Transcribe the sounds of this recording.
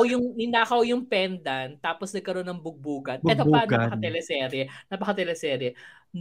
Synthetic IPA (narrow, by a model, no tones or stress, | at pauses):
wjʊŋɪnaːkɐwjʊŋpɛnd̪ɐnt̪aːposnɐɡ̚kɐɾo̞nɐŋbʊɡ̚buːɡɐnɛt̪opɐnɐɐkɐt̪ɛlɛsɛːɾɛnɐpɐkɐt̪ɛlɛsɛːɾɛ | n